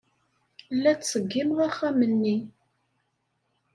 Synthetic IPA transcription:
lːæt͡sːsəɡːimʁæχːæmənːi

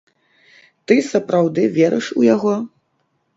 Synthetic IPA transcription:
t̪ɨsɐpɾawd̪ɨvʲɛɾɨ̰ʂujaɣɔ

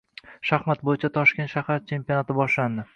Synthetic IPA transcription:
ʃahmat̪̚bojɪt͡ʃʰat̪ʰɒʃkʲe̞nt̪ʃahaɾt͡ʃʰe̞mpiɒnat̪ɪbɒʃland̪ɪ

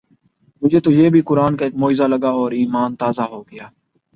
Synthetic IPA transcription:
mʊd͡ʒʱet̪ojeːbʱikʊɾaːnkaeːk̚moːɪzalɐɡaɔːɾiːmaːnt̪aːzaɦoːɡɐjaː

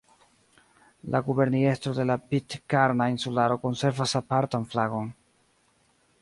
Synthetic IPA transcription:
lʔa̰ɡube̞ɾnie̞st̪ɾode̞lapitkaɾnainsulaɾo̞ko̞nse̞ɾvasapaɾtanflaɡo̞n

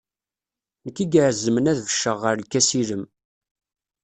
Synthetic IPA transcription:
nəkːiɡaʕəzːəmənæðvəʃːəʁːəɾlkːæsiləm

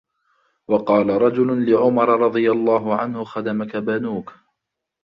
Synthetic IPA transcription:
wɑqɑːlaɾˤɑd͡ʒʊlʊlɪʕʊmɑɾˤɑɾˤɑd̪ˤɨjalˤːɑːɦʊʕanhʊxɑd̪amakabanuːk

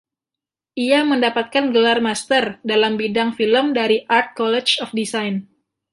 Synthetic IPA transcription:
ʔiaməndapat̪̚kanɡəlarmast̪ərdalambidaŋfiləmdaɾiʔart̪̚kɔlɛt͡ʃɔfdisajn

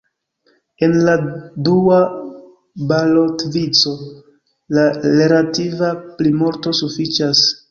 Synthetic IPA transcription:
e̞nladua | balo̞tvit͡so̞ | lale̞ɾativaplimo̞ɾto̞sufit͡ʃas

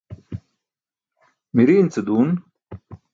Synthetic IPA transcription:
miɾiːnt͡sɨd̪uːn

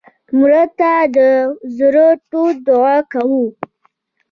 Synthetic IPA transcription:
mɾat̪ad̪əzəɾəʈod̪ʊakawu

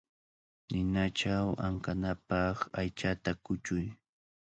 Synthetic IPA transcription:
nɪnat͡ʃawa̰ŋkanapɑχajt͡ʃat̪akʊt͡ʃʊj

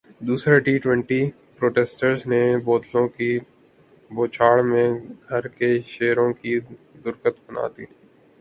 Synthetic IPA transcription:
d̪uːsɾaʈiːʈwɛ̃ɳʈi | pɾoːʈeːsʈəɾznebɔːt̪lõki | boːt͡ʃʰaːɭmẽɡʱɐɾkeʃeːɾõki | d̪ʊɾkət̪bɐna̰ːt̪ḭː

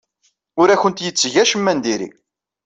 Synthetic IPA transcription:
ʊɾæçənt̪jət͡sːʝæʃəmːænd̪iɾḭ

